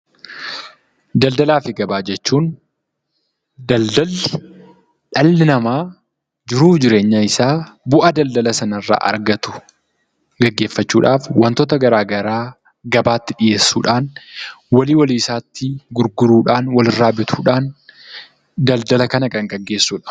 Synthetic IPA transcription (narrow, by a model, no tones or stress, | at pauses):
d̪ɐld̪ɐlaːfɪɡɐbaːd͡ʒɛt͡ʃːuːn | d̪ɐld̪ɐl | ᶑɐlːɪnɐmaː | d͡ʒɪɾuːfd͡ʒɪɾe̞ːɲːaɪsaːbʊʔɐd̪ɐld̪ɐlɐsɐnɐrːa̰ːʔɐ̰ɾɡɐt̪ʊ̥ | ɡɐɡːe̞ːfːɐt͡ʃːuːᶑaːfwɐnt̪ɔt̪ɐɡɐɾaːɡɐɾaː | ɡɐbaːt̪ːɪᶑɪje̞ːsːuːᶑaːnwɐliːwɐliːsaːt̪ːɪɡʊɾɡʊɾuːᶑaːnwɐlɪrːaːbɪt̪ʰuːᶑaːn | d̪ɐld̪ɐlɐkɐnɐkʼɐŋɡɐɡːe̞ːsːuːᶑḁːf